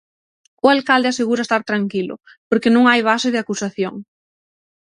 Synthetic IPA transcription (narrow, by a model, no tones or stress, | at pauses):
ʊalkald̪easeɣuɾaɐest̪aɾt̪ɾaŋkilʊ̰ | poɾkenõŋajβ̞asɪðɪakusaθjoŋ